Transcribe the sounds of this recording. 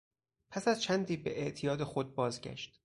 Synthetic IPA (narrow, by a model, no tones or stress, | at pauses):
pʰæsæzt͡ʃʰænd̪iːbe̞ʔeʔt̪ʰijɒːd̪e̞xod̪̚bɒːzɟæ̰ʃt̪